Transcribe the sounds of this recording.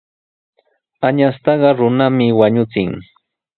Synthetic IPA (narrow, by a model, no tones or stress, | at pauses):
aɲast̪ɑɢɑɾʊnamɪwaɲʊt͡sɪŋ